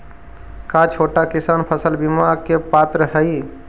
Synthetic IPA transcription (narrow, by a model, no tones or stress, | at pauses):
kat͡ʃʰoʈakisanpʰəsəlbimakepat̪ɾəɦəj